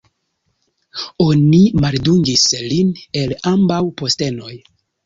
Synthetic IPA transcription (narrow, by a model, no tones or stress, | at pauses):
o̞nimalduŋɡisline̞lambawpo̞ste̞no̞j